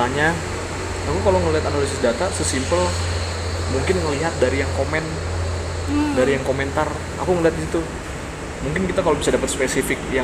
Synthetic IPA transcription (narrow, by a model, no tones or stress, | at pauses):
aɲa | nakukaloŋəliɦat̪analis̬ɪsdat̪asəsimpəl | muŋkɪnŋəliɦat̪̚daɾijaŋkomɛn | daɾijaŋkoment̪ar | ʔa̰paŋəliɦat̪̚disit̪u | muŋkɪnkit̪akalobisadapət̪spesifɪk̚ja